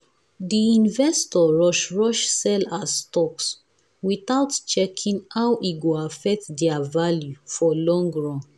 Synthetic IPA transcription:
diĩnvɛstɔɹɔʃɹɔʃsɛlasstɔks | wiθaʊtt͡ʃɛkʰĩŋhawʔiɡoafɛk̚tdɛavaljufɔlɔ̃ŋɡɹɔ̃n

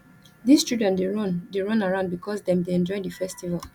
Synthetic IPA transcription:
dist͡ʃudɛ̃ndeɹɔ̃ndeɹɔ̃naɹãʊ̃nd̚bikʰɔsdɛ̃mdeɛ̃nd͡ʒɔɪdəfɛstival

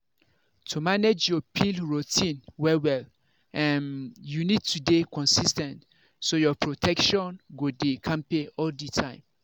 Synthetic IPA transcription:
tʰumaned͡ʒjɔpʰilɹutʰĩnwɛwɛl | ʔɛ̃njunid̚tʰudekʰɔ̃nsistɛ̃nt | sojɔpʰɹotʰɛkʃɔ̃nɡodekʰãmpeɔlditʰãɪ̃m

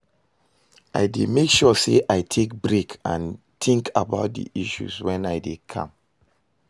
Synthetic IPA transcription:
ʔa̰ɪdemekʃɔseʔaɪtʰek̚bɹekʰã̰n | tʰĩŋkʰabaʊt̚dḭʔiʃṵzwɛ̃naɪdekʰã̰m

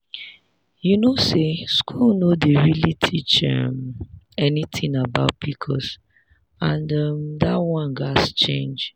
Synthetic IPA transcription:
junoseskʰulnodeɹilitʰit͡ʃʌ̰m | ɛnit̪ʰĩŋabaʊt̚b̥ikʰɔs | ãndʌmdatwɔ̃nɡast͡ʃḛ̃nd͡ʒ

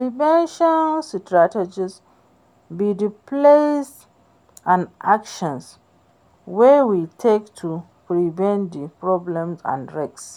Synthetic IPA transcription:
pɹivɛ̃nʃɔnstɹated͡ʒis | bidiples | ãnʔakʃɔ̃ns | wɛwitʰektʰu | pɹivɛ̃ntdipɹɔblɛ̃msã̰nɹeks

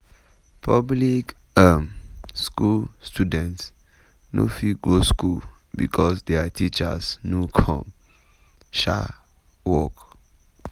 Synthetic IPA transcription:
pʰablik | amskulstudɛ̃nts | no̰fiɡɹoskul | bḭkʰɔsdɛatʰit͡ʃa̰snukʰɔ̰̃m | ʃa̰ | wɔk

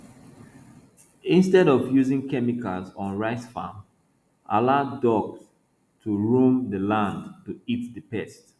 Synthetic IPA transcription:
ĩnstɛɾɔvjuzɪ̃ŋkɛmikalzɔ̃nɹaɪsfã̰m | ʔa̰ladɔɡs | tʰuɹũmdəlãndtuitdəpɛst

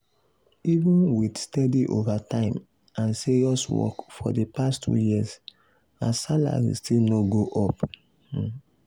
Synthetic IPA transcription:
ivũnwidstɛdiʔovatãɪ̃m | ãnsiɹiɔswɔ̰kfɔ̰depastʰṵjiz | asala̰ɹḭstilnoɡoʔɔp

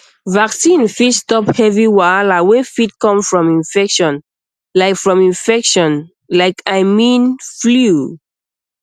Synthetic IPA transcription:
vaksĩnfitstɔphɛviwaalawɛ̃nfit̚kɔ̃mfɹɔ̃mĩnfɛkʃɔ̃n | laɪkfɹɔ̃mĩnfɛkʃɔ̃n | laɪkʰaɪmĩnflu

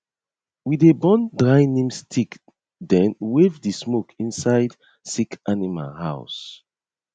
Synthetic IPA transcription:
widebɔ̃ndɹajnĩmstʰik | dɛ̃nwevdismokʰĩnsaɪd | sikanima̰lha̰ʊs

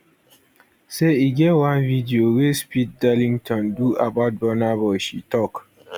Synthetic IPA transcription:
seiɡɛtwãnvidiowespit̚dalĩŋtʰɔ̃nduabaʊt̚bɔnabɔʃitɔk

